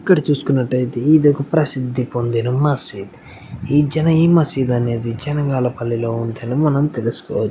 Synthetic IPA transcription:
ɐkːɐɽɐt͡ʃuːsu̥kunːɐʈːɐjt̪eiːd̪iokɐpɾɐsid̪ʱːipond̪inumɐsid̪ | iːd͡ʒɛnɐiːmɐsid̪ɐne̞ːd̪id͡ʒɛnɐŋɡaːlɐpɐlːilo̞ːunt̪enumɐnɐmt̪e̞lisu̥kɔ̰ːʋɐt͡ʃː

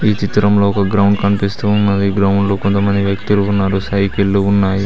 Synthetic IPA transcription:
iːt͡ʃit̪ɾɐmlo̞ːɔkɐɡɾɐwɳɖkɐnpist̪uunːɐd̪iɡɾɐwuɳɖloːkont̪ɐmɐnd̪iʋjɐkt̪uluːnːaːɾusɐjkilːuunːaːji

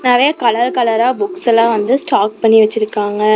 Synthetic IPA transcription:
naːʋeːkɐlɐɾkɐlɐɾaːbʊksɛlãːʋɐnd̪ɯsʈaːk̚pɐɳːiʋɐt͡ʃːɪɾɯkːaːŋɡɐ

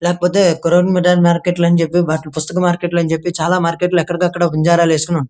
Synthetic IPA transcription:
leːkɐpoːt̪e̞ːkoɾoːnmiɖaːlmaːɾkeːʈlɐnt͡ʃepːibaʈpust̪ɐkɐmaːɾkeːʈlɐnd͡ʒepːit͡ʃaːlaːmaːɾkeʈlɛkːɐɽɐɡaːɐkːɐɽaʋuɲd͡ʒaːɾaːleːskunɐn

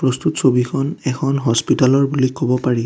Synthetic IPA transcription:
pɹɔst̪utsobikʰɔnɛkʰɔnɦɔspitalɔɹbulikɔbɔpaɹi

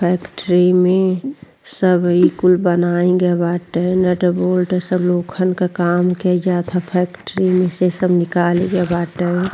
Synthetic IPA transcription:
pʰɛːkʈəɾimẽ | səbikʊlbənaːĩɡebaːʈəɦɛnəʈəboːlʈɛsəbloːkʰənkakaːmked͡ʒaːt̪ʰapʰɛːkʈɾimẽsesəbnɪkaːliɡebaːʈəɦɛ̃

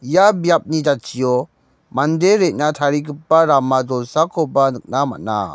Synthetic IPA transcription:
jabijap̚nid͡ʒat͡ʃijɔ | mandeɾet̚natʰaɾikɯpːaɾamad͡ʒɔlsakʰɔbanɯk̚nama̰t̚na̰

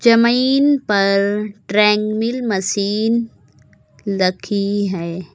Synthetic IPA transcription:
d͡ʒɐmiːnpɐɾʈɾɛ̃ːŋɡmɪlmɐsiːn | lɐkʰiɦɛː

